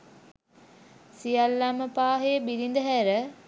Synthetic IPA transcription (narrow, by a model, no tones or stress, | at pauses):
sijalːaməpaːɦejəbilind̪əɦæɾə